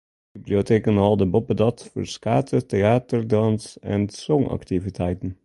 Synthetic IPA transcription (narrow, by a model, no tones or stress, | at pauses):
biblioteːkənɑlˠdəbɔpədɑtfə̰ɹskaːtʰəteaːtərdɑnsɛ̰nsɔŋɑ̰ktivitʰɛjtən̩